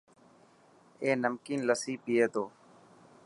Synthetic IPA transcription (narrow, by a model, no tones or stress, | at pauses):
eːnəmkiːnləsiːpijeːt̪oː